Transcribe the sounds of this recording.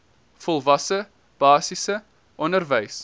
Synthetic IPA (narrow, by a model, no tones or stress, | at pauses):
fɔlˠvɐsə | b̥ɑːsisə | ʔɔnərvəjs